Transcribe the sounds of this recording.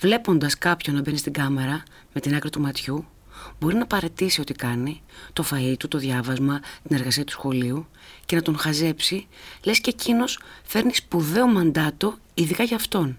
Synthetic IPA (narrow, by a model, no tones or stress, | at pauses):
vle̞po̞nd̪ɐskɐpço̞nɐbe̞nist̪iɡɐme̞ɾɐ | me̞t̪inɐkɾit̪umɐt̪çu | bo̞ɾinɐpɐɾe̞t̪isio̞t̪ikɐnit̪o̞fɐit̪ut̪o̞ðʝɐvɐzmɐt̪ine̞ɾɣɐsiɐt̪u̥sxo̞liuce̞nɐt̪o̞ŋxɐze̞psile̞scecino̞sfe̞ɾnispuðe̞o̞mɐnd̪ɐt̪o̞ | iðikɐʝɐːft̪o̞n